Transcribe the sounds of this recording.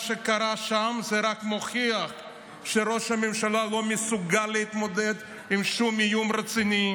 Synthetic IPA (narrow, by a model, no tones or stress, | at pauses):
ʃekaɾaʃamzeɾakmoχiaχ | ʃeɾoʃhamemʃalalo̞mesuɡalːeit̪mod̪ed̪ | imʃumijumɾet͡sini